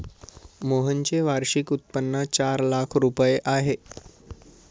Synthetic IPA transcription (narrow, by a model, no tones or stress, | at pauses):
moɦənt͡ɕeʋaɾɕikut̪̚pənːət͡ɕaɾlakʰɾupəjeʔaɦe